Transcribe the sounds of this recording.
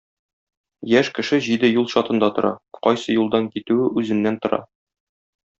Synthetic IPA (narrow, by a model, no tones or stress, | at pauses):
jæʃkɘ̆ʃɘʑid̪ɘjulˠɕɒt̪ɤ̆nd̪ɑt̪ŏɾʔɑ̰qɒjsɤjulˠd̪ɑŋkit̪ʉɘʔʉzɘ̆nːænt̪ŏɾɑ̰